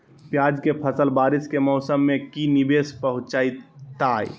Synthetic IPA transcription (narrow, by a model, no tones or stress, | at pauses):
pjad͡ʒkepʰəsəlbaːɾiskemɔʊsəmːekinibespəɦʊ̃t͡ʃait̪aːj